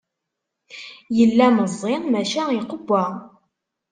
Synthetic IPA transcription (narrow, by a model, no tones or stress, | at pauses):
jəlːæməzˤːɪʁmæʃæiqəbːæ